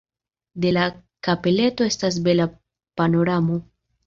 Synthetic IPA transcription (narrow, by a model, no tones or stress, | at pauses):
de̞lakape̞le̞to̞e̞stas̬be̞la | pano̞ɾamo̞